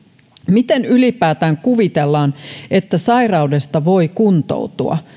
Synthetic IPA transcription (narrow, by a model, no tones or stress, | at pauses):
mit̪enylipæːt̪æːŋkuʋit̪elːɑːnet̪ːæsɑirɑude̞st̪ɑʋo̞ikunt̪o̰ut̪uɑ̰